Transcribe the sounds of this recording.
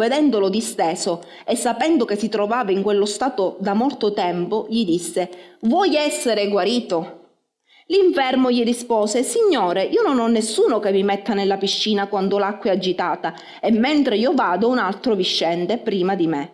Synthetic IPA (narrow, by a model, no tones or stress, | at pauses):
ved̪ɛnd̪olod̪ist̪ɛːso | esːapɛnd̪okesːit̪ɾovaːvaiŋkwelːost̪aːt̪od̪amɔlt̪ot̪ɛmpoʎid̪isːevwɔjɛsːeɾeɡwaɾiːt̪o | liɱfɛrmoʎirispɔːsesiɲːoːɾeʔiːononɔnːesːuːnokemːimɛt̪ːanelːapiʃːiːnakwand̪olakːwad͡ʒːit̪aːt̪a | emːent̪ɾeiːovaːd̪ounalt̪ɾoviʃːɛnt̪epɾiːmad̪ime